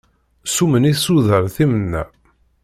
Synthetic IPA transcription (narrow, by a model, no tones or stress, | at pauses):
suməniθsuðəɾˤθimənːæ̰